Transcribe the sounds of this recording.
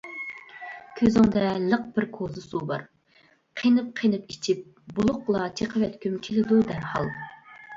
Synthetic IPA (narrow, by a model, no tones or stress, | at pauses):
kʲʰøzɪŋd̪ɛlˠəq̚b̥ɪɾkʰozɨsubɑ̰ɾ | qʰenɨp̚qʰenɨpit͡ʃʰip̚ | bulˠʊqlˠɑt͡ʃʰeqʰəvɛt̪kʲʰymt͡ʃʲʰilɪd̪ud̪æɾhɑ̰lˠ